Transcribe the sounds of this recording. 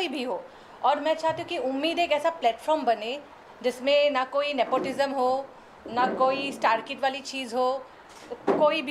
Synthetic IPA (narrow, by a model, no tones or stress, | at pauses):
ibʱiɦoː | ɔːɾmɛ̃ːt͡ʃaːɦt̪iɦũkiʊmːiːd̪eːkɛːsaplɛːʈfʰɔːɾmbɐne | d͡ʒɪsmẽnakoːinɛːpoːʈɪzəmɦoː | nakoːisʈaːɾkɪʈʋaːlit͡ʃiːzɦoː | koːibʱ